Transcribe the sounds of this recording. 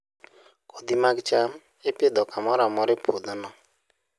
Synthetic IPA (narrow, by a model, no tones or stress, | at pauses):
kod̪imaɡt͡ʃam | eped̪ɔkamɔɾamɔɾɪpʰod̪nɔ